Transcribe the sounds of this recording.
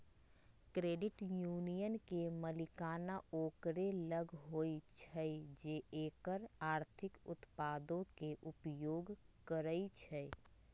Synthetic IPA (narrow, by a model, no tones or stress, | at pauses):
kɾeːɖɪʈjuːnijənkeməlɪkaːnaoːkɾeləɡʱɦoːit͡ʃʰəed͡ʒeːʔeːkəɾaːɾt̪ʰɪkʊt̪paːd̪õkeʔʊpjoːɡkəɾəit͡ʃʰɛ